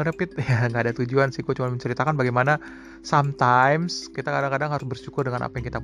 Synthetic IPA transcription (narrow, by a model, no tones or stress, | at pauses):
ɾəpɪt̪̚jaŋɡaːdat̪ud͡ʒuansɪhɡuat͡ʃumanməɲt͡ʃəɾit̪akanbaɡajmana | samt̪ajmskit̪akadaŋkadaŋɦaɾʊsbərʃukʊrdəŋanʔa̰pajaŋkit̪ap